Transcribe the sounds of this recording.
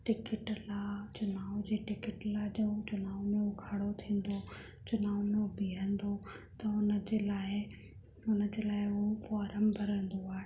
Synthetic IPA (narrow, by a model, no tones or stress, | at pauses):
ʈɪkɪʈlat͡ɕʊnaːʋd͡ʑeːʈɪkɪʈlaːɦd͡ʑoːt͡ɕʊnaːʋmẽʊkʰaːɽot̪ʰĩːn̆d̪o | t͡ɕʊnaːʋmẽbʱiːɦə̃nd̪ot̪ɐʊnə̆d͡ʑeːlaːɪ | ʊnəd͡ʑeːlaːɪʊofaːɾəmbʱɐɾə̃nd̪oaːɦe